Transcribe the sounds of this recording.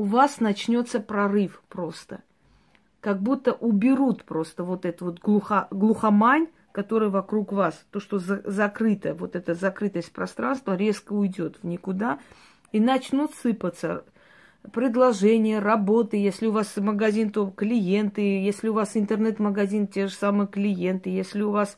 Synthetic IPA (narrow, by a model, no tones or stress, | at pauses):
ʊvasnɐt͡ɕnʲo̞t̪səpɾɐrɨfpɾo̞st̪ə | kɐɡ̚but̪ːəʔʊbʲɪɾut̪pɾo̞st̪əvo̞t̪ɛt̪vo̞t̪ɡlˠuxaɡlˠʊxɐmanʲ | kɐt̪o̞ɾɨjəvɐkɾukvast̪oʂt̪o̞zzɐkɾɨt̪əvo̞t̪ɛt̪əzɐkɾɨt̪əsʲt̚ʲpɾɐst̪ɾanst̪vəɾʲe̞skəʊjdʲo̞t̪vnʲɪkʊd̪a | inɐt͡ɕnut̪sɨpət̪sə | pɾʲɪd̪lˠɐʐɛnʲɪjərɐbo̞t̪ɨjesʲlʲɪʊvasməɡɐzʲint̪o̞klʲɪje̞nt̪ɨjesʲlʲɪʊvasɪnt̪ərnɛt̪məɡɐzʲintʲe̞ʐɨsamɨjəklʲɪje̞nt̪ɨjesʲlʲɪʊvas